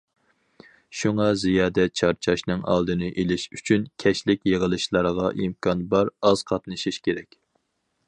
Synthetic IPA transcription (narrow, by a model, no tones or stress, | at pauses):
ʃuŋɑzijɑːd̪ɛt͡ʃʰɑɾt͡ʃʰɑʃnɨŋʔɑ̰lˠd̪ɨnɨʔelɪʃyt͡ʃʰynkʲʰɛʃlɪkʲjəʁəlˠɨʃlˠɑɾəʁɑʔimkʰɑnbɑɾɑz̥qʰɑt̪nɨʃiʃkʲeɾɛkʲ